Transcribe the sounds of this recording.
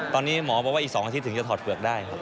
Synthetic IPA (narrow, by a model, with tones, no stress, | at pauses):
t̪ɔː˧nːiː˦˥mɔː˩˦pʰɔː˧˥waː˥˩ʔːksɔː˩˦ʔa˧t̪ʰi˦˥t̪ʰːɯ˩˦ŋt͡ɕa˧t̪ʰːt̪̚fɯ˨˩ək̚daː˥˩jkʰa˦˥p̚